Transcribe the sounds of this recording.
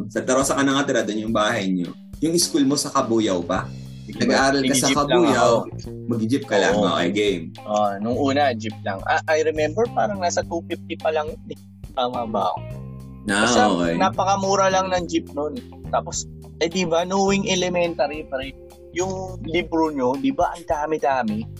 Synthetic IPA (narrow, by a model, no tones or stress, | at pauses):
sɐt̪ɐɾosɐkɐnɐŋɐt̪ɪɾad̪onjʊŋbaːɦɐjɲo | jʊŋɪskulmo̞sɐkɐbuːjɐwpɐ | ɐɡaʔaːɾɐlkɐsɐkɐbuːjaw | mɐɡd͡ʒɪp̚kɐla̰ŋo̰ʔɐ̰jɡɛjmʔonʊŋʔuːnɐd͡ʒɪp̚lɐ̰ŋʔɐ̰ʔɐjɾɛmɛmbɛɹpaːɾɐŋnaːsɐt̪uːkɪp̚t̪ɪpɐlɐŋnɪ | ɐmɐba̰ːʔo | aaɐoʔnɐpɐkɐmuːɾɐlɐŋnɐŋd͡ʒɪp̚non | t̪aːpo̞s | ʔɐjd̪ibɐnoːwɪŋɛlɛmɛnt̪ɐɾipɐɾɛ | jʊŋliːbɾoɲo̞d̪ɪbɐʔɐŋd̪aːmɪd̪aːmɪ